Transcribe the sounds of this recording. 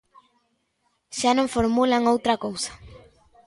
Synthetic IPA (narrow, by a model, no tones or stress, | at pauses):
ʃanõŋfoɾmulaŋowt̪ɾakowsḁ